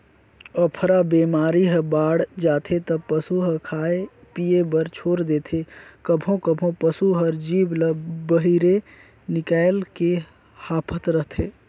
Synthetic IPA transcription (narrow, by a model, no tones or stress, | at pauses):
ɔpʰɾabeːmaːɾiɦəbaːɽd͡ʒaːt̪ʰet̪əpəsuɦəkʰaːe | pijebəɾt͡ʃʰoːɾd̪eːt̪ʰekəbʱõkəbʱõpəsuɦɔɾd͡ʒiːbləbəɦiɾe | nɪkaːelke | haːpʰət̪ɾəɦt̪ʰeː